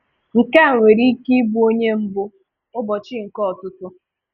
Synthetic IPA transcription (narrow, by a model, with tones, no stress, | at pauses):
ŋ̩˨ka˦a˨ŋʷe˨ɾi˦ki˦bu˦o˦ɲe˦m̩˦bʊ˦ | ʊ˦bɔ˨t͡ʃɪ˦ŋ̩˨kɔ˦ɔ˨tʊ˦tʊ˦